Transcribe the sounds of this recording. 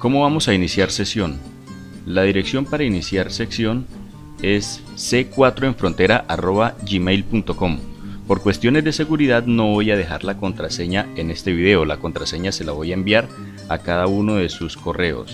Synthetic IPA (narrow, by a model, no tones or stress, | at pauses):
ko̞mo̞βamo̞sainisjaɾse̞sjo̞n | laðiɾe̞ksjo̞mpaɾainisjaɾse̞ksjo̞n | e̞sː | e̞kwat̪ɾo̞e̞ɱfɾo̞nt̪e̞ɾaʔaro̞βaʝimejlpunt̪o̞ko̞mpo̞ɾkwe̞st̪jo̞ne̞zd̪e̞se̞ɣuɾiðaðno̞βo̞jað̞e̞xa̰ɾlako̞nt̪ɾase̞ɲae̞ne̞st̪e̞βið̞e̞olako̞nt̪ɾase̞ɲase̞laβo̞jaembjaɾ | a̰kaðauno̞ðe̞susko̞re̞o̰s